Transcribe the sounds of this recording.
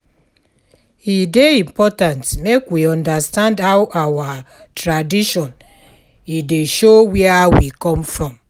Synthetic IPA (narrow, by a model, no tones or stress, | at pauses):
hideĩmpɔtãntmekwiɔ̃ndastãndhawʔawa | tɹadiʃɔ̃n | ideʃowɛawikɔ̃mfɹɔ̃m